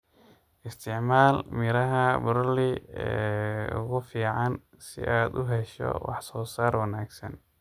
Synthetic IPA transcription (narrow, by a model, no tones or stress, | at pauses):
ʔɪst̪ʰɪʕmaːlmɪɾɐɦɐbʊɾlɪɛːʊ̰ɣʊfiːʕɑn | sɪ̰ʔaːd̪ʊ̰ɦɛʃɔ̰wɑ̰ħsɔːsaːrwɑnaːɡsɐ̰n